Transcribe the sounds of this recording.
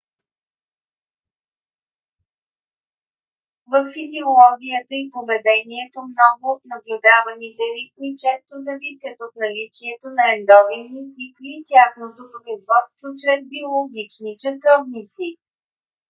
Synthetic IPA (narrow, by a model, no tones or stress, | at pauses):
vəfːiziolˠɔɡʲijət̪əipovɛd̪ɛniɛt̪omnɔɡʊnɐblʲʊd̪avɐnit̪ɛɾit̪mit͡ʃɛst̪ozɐvisʲjət̪ot̪̚nɐlit͡ʃiɛt̪onɐɛnd̪ɔvinːit̪sikliːt̪ʲjaxnot̪opɾoizvɔt̪st̪vot͡ʃɾɛzbiolˠoɡʲit͡ʃnit͡ʃɐsɔvnit̪si